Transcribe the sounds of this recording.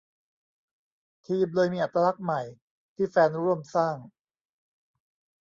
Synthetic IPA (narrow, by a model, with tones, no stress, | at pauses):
t̪ʰiː˧mlɤː˧jmiː˧ʔa˨˩t̪ːɾaː˧la˦˥k̚ma˨˩j | t̪ʰiː˥˩fɛː˧nɾu˦˥˧əmsaː˥˩ŋ